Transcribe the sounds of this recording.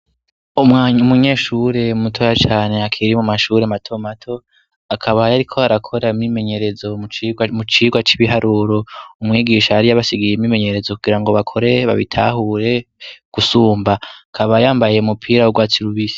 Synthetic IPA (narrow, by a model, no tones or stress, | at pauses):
umaɲumuɲe̞ːʃuɾe̞umutʰojat͡ʃaːne̞akʰiɾimumaʃuɾematʰo̞matʰo̞ | akʰaβajaɾikʰo̞aɾakʰo̞ɾaimimeɲe̞ɾe̞zo̞mut͡ʃiːɡwat͡ʃiβiɦaɾʔuːɾo̞umŋiːɡiːʃaːɾijaβasiɡijemime̞ɲe̞ɾe̞zokuɡiɾaŋɡo̞βakʰo̞ɾe̞βa̰βḭtʰahuɾe̞ | ɡ̥usuːmbakʰaβajaːmbajje̞umupʰiːɾawoɡwaːt͡siɾuβisi